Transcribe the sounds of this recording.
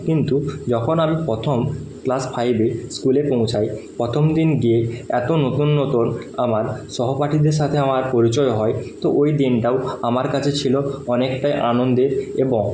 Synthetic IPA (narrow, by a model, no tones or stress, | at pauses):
kint̪ud͡ʑɔkʰonamipɾɔt̪ʰom | klaspʰajbeskulepõw̃t͡ɕʰajpɾɔt̪ʰomd̪inɡieɛt̪onot̪unːot̪un | amaɾʃɔɦopaʈʰid̪eɾʃ̬at̪ʰeamaɾpoɾit͡ɕɔeɦɔet̪oʔojd̪inʈaoamaɾkat͡ɕʰet͡ɕʰiloɔnekʈajʔanond̪eɾeboŋ